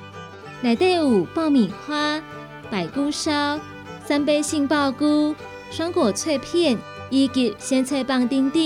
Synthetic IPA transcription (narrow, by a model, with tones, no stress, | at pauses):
na˨˩ɪt̪e˥˧u˨˩pɑ˥˩ʊmi˨˩xwa˥ | pa˨˩ɪku˥ʂa˥ʊ | sa˥np̬e˥ɪɕi˥˧ŋpɑ˥˧ʊku˥ | ʂwɑ˥ŋkwɔ˨˩t͡sʰwe˥˧ɪpʰjɛ˥˧˨n | i˥ki˧˩ɕjɛ˥nt͡sʰwe˥˧ɪpɑ˥˧ŋt̪i˥ŋt̪i˥˧˨